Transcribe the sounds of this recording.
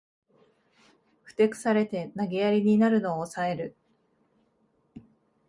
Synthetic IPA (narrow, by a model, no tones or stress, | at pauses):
ɸɯ̟̥t̪e̞kɯ̟̥saɾe̞t̪e̞naɡe̞jaɾʲiɲ̟inaɾɯ̟no̞ːsae̞ɾɯ̟